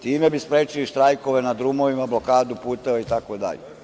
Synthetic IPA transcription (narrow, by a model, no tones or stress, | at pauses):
t̪iːme̞bispɾeːt͡ʃiliʃt̪ɾajko̞ʋe̞nad̪ɾumo̞ʋimablo̞kaːd̪upuːt̪eʋait̪akod̪a̰ʎe